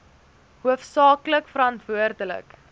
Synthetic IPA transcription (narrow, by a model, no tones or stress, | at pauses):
ɦuəfsɑːkləkfəɾɐntvuərdələ̰k